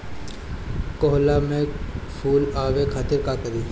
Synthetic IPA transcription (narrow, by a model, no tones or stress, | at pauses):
koɦlamẽpʰuːlaːʋekʰaːt̪ɪɾkakɐɾiː